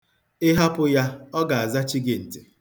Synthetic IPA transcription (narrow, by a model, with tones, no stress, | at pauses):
ɪ˦ɦa˦pʊ˦ja˦ɔ˦ɡa˨a˨za˦t͡ʃi˦ɡɪ˨n̩˨tɪ̥˨